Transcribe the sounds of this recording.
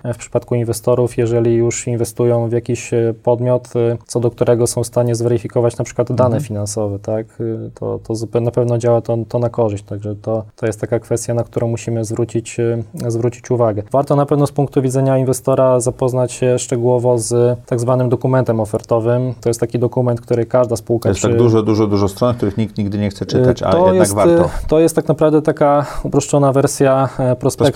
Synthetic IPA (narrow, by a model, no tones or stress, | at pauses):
fpʂɘ̥pat̪kuinvɛst̪ɔɾufjɛʐɛlʲijuʂinvɛst̪ujɔ̃w̃vjakʲiɕpɔd̪mʲjɔt̪t̪sɔd̪ɔk̚t̪uɾɛɡɔsɔ̃w̃st̪aɲɛzvɛɾɘfʲikɔvat͡ɕnapʂɘ̥kwad̪d̪anɛfʲinansɔvɛt̪akt̪ʰɔ̰t̪ʰɔzapɛnapɛvnɔd͡ʑawat̪ɔt̪ɔnakɔʐɘɕt͡ɕt̪aɡʐɛt̪ɔt̪ɔjɛst̪ːakakfɛst̪ʲjanak̚t̪uɾʔɔ̃w̃muɕimɘzvɾut͡ɕit͡ɕzvɾut͡ɕit͡ɕuvaɡɛvaɾt̪ɔnapɛvnɔspuŋk̚t̪uvʲid̪zɛɲainvɛst̪ɔɾazapɔznat͡ɕɕɛʂt͡ʂɛɡuwɔvɔzt̪aɡzvanɘmd̪ɔkumɛnt̪ɛmɔfɛɾt̪ɔvɘmt̪ɔjɛst̪akʲid̪ɔkumɛnt̪̚k̚t̪uɾɘkaʐd̪aspuwkaɔjɛsʂt̪aɘd̪uʐɔd̪uʐɔd̪uʐɔst̪ɾɔnk̚t̪uɾɘxɲikt̪ɲiɡ̚d̪ɘɲɛxt̪sɛt͡ʂɘat͡ɕa̰lɛɔjɛdjɛaɡ̪tvɾɔt̪ɔjɛst̪ːaknapɾavd̪ɛt̪akaupɾɔʂt͡ʂɔnavɛɾsʲjapɾɔspk